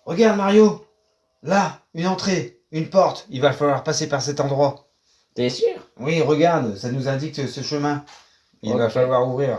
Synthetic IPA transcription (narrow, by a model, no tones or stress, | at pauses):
ʁəɡaʁd̪maʁjo | laynɑ̃t̪χe | ynpɔʁt̪ilvafalwaʁpasepaʁsɛt̪ɑ̃d̪ʁwa | t̪ɛsyʁwiʁəɡaʁd̪sanuzɛ̃d̪ikəsəʃəmɛ̃ | ilvafalwaʁuvʁiːʁ